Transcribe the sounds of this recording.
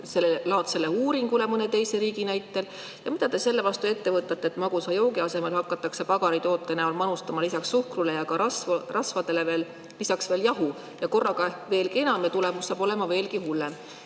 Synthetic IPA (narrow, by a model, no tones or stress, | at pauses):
se̞lːelɑːt̪se̞leuːɾiŋɡule̞mɤnet̪e̞jse̞ɾiːɡinæjt̪ːˑe̞l | jɑmid̪̥ɑt̪e̞se̞lːe̞vɑst̪ue̞t̪ːe̞vɤt̪ːˑɑt̪ːˑeːt̪mɑɡ̥usɑjo̞wɡiɑse̞melhɑkˑːɑt̪ːˑɑkse̞pɑɡ̥ɑɾit̪o̞ːt̪ːˑenæolmɑnust̪ɑmɑlisɑksːuhkrule̞jɑkɑɑsvrɑsfɑd̪̥e̞leve̞ːl | lisɑksv̥e̞ːljɑɦu | jɑko̞rːɑɡɑve̞ːlkie̞nɑmet̪ule̞musːɑːb̥o̞le̞mɑve̞ːlkihulːem